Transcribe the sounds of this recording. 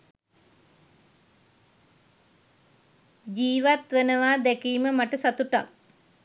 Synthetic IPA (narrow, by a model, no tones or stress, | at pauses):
d͡ʒiːʋat̪ʋenəʋaːd̪ækiːməmaʈəsat̪uʈa̰k